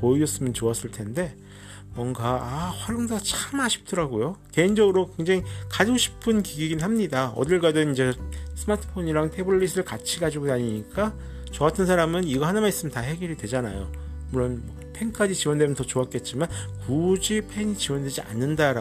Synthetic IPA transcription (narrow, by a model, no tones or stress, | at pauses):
poiʌs͈ɯmjʌnt͡ɕoas͈ɯɭtʰe̞nde̞ | mwʌŋɡaːɸwaɾoŋdat͡ɕʰamaɕʰi̥p̚t͈ʌɾaɡojote̞ind͡ʑʌɡɯɾokwe̞ŋd͡ʑaŋikad͡ʑɕʰi̥pʰɯnkiɡiɡinhamɲidaʌ̰dɯɭɡadɯnind͡ʑe̞sʰɯmatʰɯ̥pʰoɲiɾaŋtʰe̞bːis̬ʰɯɭkat͡ɕʰiɡad͡ʑiɡodaɲiɲik͈a | t͡ɕʌatʰɯnsʰaɾamɯniɡʌhanamais͈ɯmjntahe̞ɡiɾidwe̞d͡ʑana̰jo̰muɭːonmʌpʰe̞ŋk͈ad͡ʑit͡ɕiwʌndwe̞mjʌntʌt͡ɕoak͈e̞t̚t͡ɕ͈imankud͡ʑipʰe̞ɲit͡ɕiwʌndwe̞d͡ʑia̰nːɯndaɾa